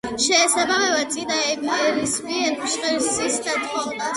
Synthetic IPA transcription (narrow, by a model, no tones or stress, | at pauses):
ʃɛsabamɛvat̪sʼid̪aɛɾisbiɛʃχʼilsisd̪at̪ʰχɔvna